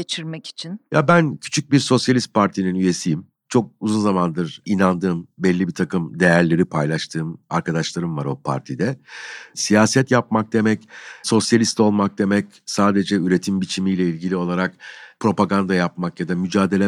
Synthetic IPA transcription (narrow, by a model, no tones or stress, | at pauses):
ɟet͡ʃʰiɾmɛci̥t͡ʃʰinjabæncʰy̥t͡ʃʰyc̚biɾso̞sjalʲist̪̚pʰaɾt̪ʰininyje̞sijim | t͡ʃʰo̞k̚uzunzamand̪ɯɾinand̪ɯːmbɛlʲːibit̪ʰakɯmd̪e̞jæɾlʲe̞ɾipʰajlˠaʃt̪ʰɯːma̰ɾkʰad̪aʃlˠaɾɯmvaɾo̞pʰa̰ɾt̪ʰid̪ɛsijaːsɛt̪jap̚mak̚d̪e̞mɛcso̞sjalʲist̪o̞lˠmak̚d̪e̞mɛc | saːd̪e̞d͡ʒɛyɾe̞t̪ʰimbit͡ʃʰimijlʲɛilʲɟilʲio̞lˠaɾakpɾo̞paɡand̪ajapmakjad̪amyd͡ʒaːd̪e̞lʲɛ